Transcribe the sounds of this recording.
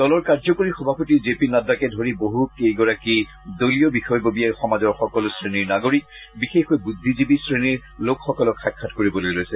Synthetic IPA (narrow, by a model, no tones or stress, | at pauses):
dɔlɔɹkaɹzɔkoɹixɔbʱapotizepinadakɛdʱoɹiboɦukejɡɔɹaki | dolijɔbixɔjbobijajxɔmazɔɹxɔkɔlsɹeniɹnaɡoɹik̚ | bixexojbudʱːizibisɹeniɹ | lokxɔkɔlɔkxakʰːatkoɹibɔlojlojsɛ